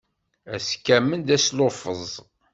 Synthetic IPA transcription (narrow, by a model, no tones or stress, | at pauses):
æskːæmːənd̪æslofəzˤ